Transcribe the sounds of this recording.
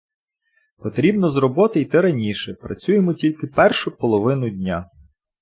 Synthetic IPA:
pɔt̪ɾʲibnɔzrɔbɔt̪ɪjt̪ɛɾɐnʲiʃɛpɾɐt͡sʲujemɔtʲilʲkɪpɛrʃʊpɔlˠɔʋɪnʊdʲnʲa

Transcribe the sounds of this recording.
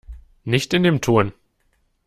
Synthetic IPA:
nɪçtɪndeːmtʰoɐn

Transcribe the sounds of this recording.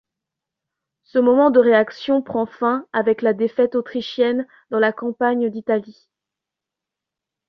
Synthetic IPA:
səmɔmɑ̃d̪əʁeaksjɔ̃pχɑ̃fɛ̃avɛklad̪efɛt̪ot̪χiʃjɛn | d̪ɑ̃lakɑ̃paɲd̪it̪ali

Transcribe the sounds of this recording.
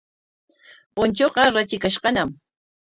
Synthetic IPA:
qont͡ʃoqɑɾat͡ʃɪkaʃqɑnam

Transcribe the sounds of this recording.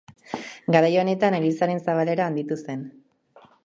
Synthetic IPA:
ɡaɾajo̞ne̞t̪anelisaɾe̞nsaβale̞ɾaːnd̪it̪use̞n

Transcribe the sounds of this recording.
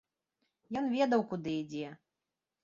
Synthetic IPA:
jɔnvʲɛd̪ɐwkud̪ɨid͡zʲɛ

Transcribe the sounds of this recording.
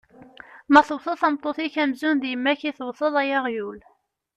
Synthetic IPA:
mæθəwθˤəθɑmt̪ˤːoθiçæmzunðjəmːæçiθəwθˤəðˤæjæʁjul

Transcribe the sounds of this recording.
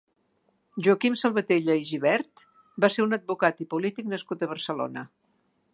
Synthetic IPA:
ʒuəkimsəlˠβət̪eʎəiʒiβɛɾt̪ | baseɾunəd̪̚bukat̪ipulit̪iknəskut̪əβərsəlo̰nə

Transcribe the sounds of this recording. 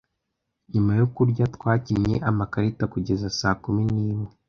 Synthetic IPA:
ɲumajokuɾɟatkwaːcimɲe̞ʔamakaɾitakuɟe̞zasaːkuminiːmwe

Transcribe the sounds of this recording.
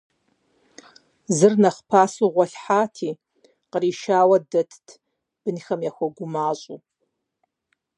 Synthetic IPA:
zɨrnaχpʰasuʁʷaɬħatʰi | qʼriʃaːwadɨtʰtʰ | b̥ɨnxamjaxʷaɡʷʊmaɕʷʼu

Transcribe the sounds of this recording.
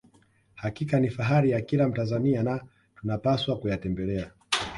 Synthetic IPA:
hakikanifaɦaɾijakilam̩tanzaniana | tunapaswakujatɛmbɛlɛa

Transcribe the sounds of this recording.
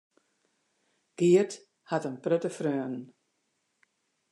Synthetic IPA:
ɡ̥iət | hatənprøtəfrøːənn

